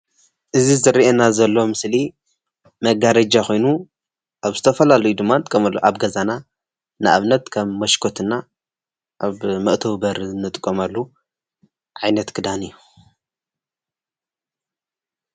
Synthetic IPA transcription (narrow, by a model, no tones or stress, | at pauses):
ʔɨzizɨɾiʔenazɐlːo̞mɨsli | mɐɡaɾɐd͡ʒakʰo̞jnu | ʔaβzɨt̪ʰɐfɐlalɐjud̪ɨmːant̪ʼkʼːɐmɐlːuʔaβɡɐzana | nɨʔa̰βnɐt̪kʰɐmːɐʃkʰot̪ʰɨnːa | ʔaβmɐʔt̪ʰɐwbɐɾnɨt̪ʼɨkʼːomalːu | ʕajnɐt̪kʰɨd̪anɨjːu